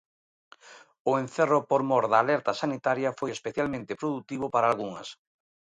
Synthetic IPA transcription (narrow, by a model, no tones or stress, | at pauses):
ʊen̟θeropoɾmɔɾðaːlɛɾt̪ɐsanit̪aɾjɐfojespeθjalmẽnt̪epɾoðut̪iβ̞opaɾaːlɣuŋɐ̰s